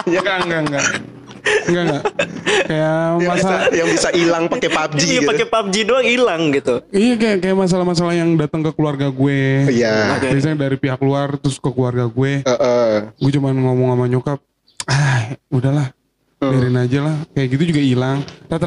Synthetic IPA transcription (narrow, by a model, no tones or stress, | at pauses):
ŋɡaŋɡaŋɡa | ŋɡaŋɡaʔkajamasalajaŋbisailaŋpakepap̚d͡ʒiatpakepap̚d͡ʒiduaŋilaŋɡit̪uijakajakajaʔmas̬alahmas̬alahjaŋdat̪əŋkəkluarɡaɡuejabis̬adaɾipiɦakluart̪ʊskəkluarɡaɡuɛəʔəɡuɛt͡ʃumanŋomɔŋamaɲokap̚ | audahlah | daɾinad͡ʒalahkajaʔɡit̪ud͡ʒuɡailaŋt̪at̪